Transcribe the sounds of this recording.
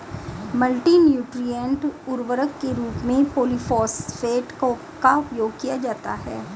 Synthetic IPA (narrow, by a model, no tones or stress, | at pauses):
məlʈinjuːʈɾijə̃ɳʈʊɾʋəɾəkːeɾuːpmẽpoːlifɔːsfeːʈ | kaʊpjoːɡkijad͡ʒaːt̪aɦɛ̰ː